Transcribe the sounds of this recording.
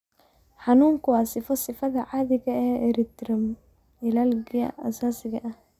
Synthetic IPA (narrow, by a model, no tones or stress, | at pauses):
ħɑnuːŋkʰʊwɑːsɪfɔsɪfɐðɐʕaːðɪɣɐɛːɛɾɪt̪ɾɪm | ɪlalɡɪɐ̰a̰saːsɪɣɐʔɐh